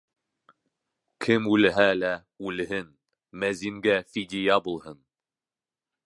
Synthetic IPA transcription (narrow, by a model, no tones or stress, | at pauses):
kʰɘmʉlɘ̆ɦælæ | ʉlɘ̆ɦɘn | mæziŋɡæfid̪ʲɪjɑbulˠhɤn